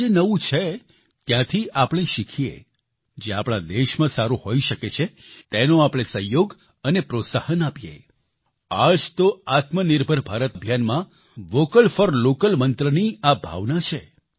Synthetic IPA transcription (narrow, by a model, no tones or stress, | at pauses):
d͡ʒenəʋũt͡ʃʰe | t̪jãt̪ʰiapɽ̃eʃikʰijḛ | d͡ʒeapɽ̃ad̪eʃmãsaɾuhoiʃəket͡ʃʰe | t̪enoapɽ̃esəɦjoɡ | ənepɾot̪sahənapijḛ | ad͡ʒt̪oat̪mənɪɾbʱəɾbʱaɾət̪əbʱjanmã | ʋokəlfəɾlokəlmənt̪ɾəniabʱa̰ʋnat͡ʃʰe